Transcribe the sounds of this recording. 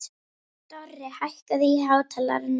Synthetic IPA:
t̪ɔrːɪhajhkaðiɦaːwt̪ʰɛla̰ɾɪn

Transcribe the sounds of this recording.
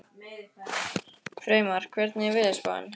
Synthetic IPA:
fɾeːjmaɾ̥kʰvɛɾt̪nɪvɪðɪspa̰n

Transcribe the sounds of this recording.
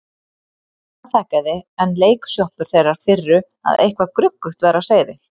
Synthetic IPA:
aθaːhkaðɪɛnleːjksjɔhpʏɾ̥θejrːaɾ̥fɪrːʏ | a̰ðʔḛjhkvakɾʏkːʏht̪vɛːɾawseːjðɪ

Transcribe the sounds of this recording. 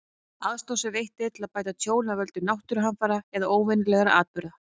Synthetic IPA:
aðst̪owsʏvejht̪ɪt̪ʰɪlaðpaːjt̪at̪ʰjoːwlnavœlt̪ʏnawht̪ʏɾʏɦanfaɾaɛðaʔoːwvɛnɪlɛɣaɾa̰ʔaːt̪̚pʏɾa

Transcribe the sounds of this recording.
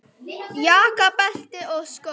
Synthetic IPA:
jaːkɐpɐɬt̪eʔoːsko

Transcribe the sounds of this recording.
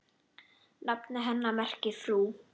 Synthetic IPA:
napnɪɦɛnːamɛr̥cɪfɾuː

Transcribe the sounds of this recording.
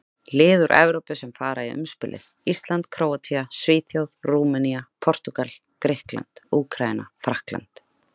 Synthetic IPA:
lɪːðʏɾʔɛ̰vɾowpʏsɛmfaːɾaiʏ̰mspɪ̰ːlʔɪ̰ð | ist̪lant̪kʰɾowat̪ʰiasvɪːt̪ʰjawðruːmaniapʰɔr̥t̪ukal | kɾɪhkla̰nt̪uːkʰɾaina̰fɾahkla̰nt̪

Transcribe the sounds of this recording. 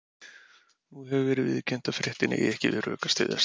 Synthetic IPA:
nuɦɛvʏvɛːɾɪðvɪðcɛn̥t̪afɾɪht̪ɪnɪ̰ʔiɛhcɪvɪ̰ðrœ̰ːkast̪ɪ̰ːða̰s

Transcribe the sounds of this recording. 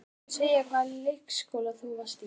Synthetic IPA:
seːjakvaðllejhkskowlaθuvḁst̪

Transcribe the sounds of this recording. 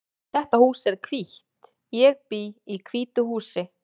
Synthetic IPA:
θɛht̪ahuːsɛɾ̥kʰviht̪ | jɛɣpiikʰviːt̪ʏhuːsɪ

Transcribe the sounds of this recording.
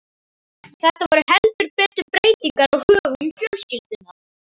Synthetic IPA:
θɛht̪avɔɾʏhɛlt̪ʏɾpɛːt̪ʏɾpɾeːjt̪iŋkaɾaɣhœːɣʏnfjœlscɪlt̪ʏnːa

